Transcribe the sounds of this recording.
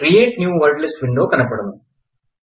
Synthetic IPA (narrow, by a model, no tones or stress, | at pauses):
krijeːʈnjuːʋɐrɖlisʈʋiɳɖo̞ːkɐnɐpːe̞ɽunːu